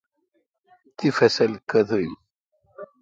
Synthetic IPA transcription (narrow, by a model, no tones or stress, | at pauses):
t̪ːifæsælkːəðˤɾim